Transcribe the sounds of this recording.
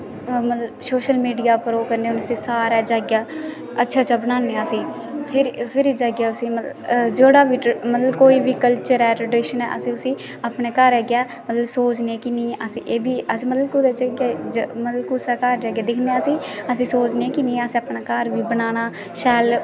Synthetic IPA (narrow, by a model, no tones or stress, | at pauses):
mət̪ləbsoːʃəlmiːɖijaːpəɾoːkəɾneːʊnsĩːsaːɾaːd͡ʒaːɡjaː | ətːʃʰaːt͡ʃaːbəñãːneaəsĩː | pʰɪɾpʰɪɾid͡ʒaːɡjaːʊsĩːmət̪d͡ʒeːɽaːʋiːʈmət̪ləbkoːiːʋiːkəlt͡ʃəɾɛːʈɾəɖɪʃənɛ̰ːʔəsĩːʊsĩː | apneːkəɾɛɡɪjaː | mət̪ləbsoːt͡ʃneːkɪnĩːʔəsĩːʔeːbiːəsĩːmət̪ləb̚kʊd̪ed͡ʒaɡed͡ʒmət̪ləbkusaːkəɾd͡ʒaːɡjaːd̪ɪkʰneːəsĩːəsĩːsoːt͡ʃneːkɪnĩːəsĩːapɳaːkəɾʋiːbənaːñaː | ʃɛːl